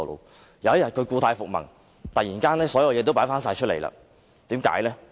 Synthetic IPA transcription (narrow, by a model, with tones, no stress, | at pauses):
lo̰˨˧w | jwjɐ˨˩t̚kʰɵ˨˧ɥkuː˧t̪ʰaː˧jfʊ˨k̚mɐ̰˨˩ŋ | t̪ɐ˨k̚jiː˨˩nkaː˥nɛː˥sɔː˨˥jɐ˧wjɛː˨˧t̪wpaː˨˥jfaː˥nsaː˧jt͡ʃʰɵ˥t̚le˨˩jla̰ː˧ | t̪iː˨˥mka̰ː˨˥jlɛː˥